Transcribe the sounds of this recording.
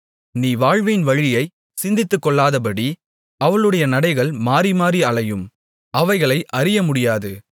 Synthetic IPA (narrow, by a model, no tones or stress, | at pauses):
niːʋaːɻʋɐjɪnʋɐɻɪjɐɪ | sɪnd̪ɪt̪ːɯkːɔɭːaːðɐp̬ɐɽi | ɐʋɐɭɯɽɐjɐnɐɽɐɪɣɐɭmaːɾimaːɾiɐɭɐjɯm | ɐʋɐɪɣɐɭɐɪʔɐɾɪjɐmʊɽɪjaːðɯ